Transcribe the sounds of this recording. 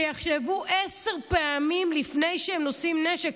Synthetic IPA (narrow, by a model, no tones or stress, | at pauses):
jaχʃevuʔeseʁpeamimlifnejʃeemnosimneʃek